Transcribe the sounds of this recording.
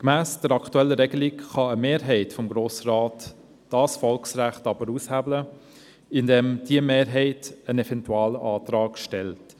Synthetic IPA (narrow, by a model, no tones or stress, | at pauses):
kmæːsd̥əɾɑkʰtuɛlːəɾɛɡəlɪkχɑəmeːɾɦɛɪtfɔmɡɾoːsɾɑːt | d̥ɑːsfɔlksræχtɑbəɾushæblə | ɪndɛmd̥iəmeːɾɦɛɪtənɛvɛntuɑːləʔɑːtɾɑːɡʃtɛlt